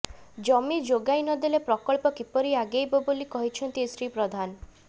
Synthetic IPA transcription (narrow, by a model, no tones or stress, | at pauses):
d͡ʒɔmid͡ʒoɡajnɔd̪elepɾɔkɔɭpɔkipɔɾiaɡejbɔbolikɔɦit͡ʃʰɔnt̪isɾipɾɔd̪ʱanɔ